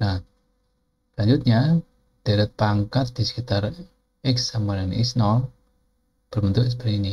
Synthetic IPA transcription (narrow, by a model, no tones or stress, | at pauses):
na | laɲd͡ʒut̪̚ɲa | d̪̥ɛɾət̪̚paŋkat̪̚d̪̥isə̥kit̪ar | ɪksamaɾanḭsnɔl | b̥ərmənt̪uʔsbəɾini